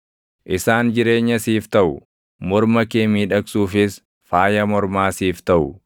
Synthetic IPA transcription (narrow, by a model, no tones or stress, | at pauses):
ʔɪsaːnd͡ʒɪɾe̞ːɲːɐsiːft̪ɐʔʊ | mɔɾmɐkeːmiːᶑɐksuːfɪs | faːjɐmɔɾmaːsiːft̪ɐʔʊ